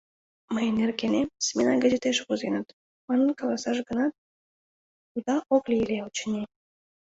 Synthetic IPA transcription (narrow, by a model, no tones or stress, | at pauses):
məjnerkʲenesʲmʲenɑɡazet̪eʃkuzenɑt̪ | mɑnənkolˠɑsɑʒɡənɑt̪̚ | ud̪ɑʔoklʲiilʲeut͡ɕənʲe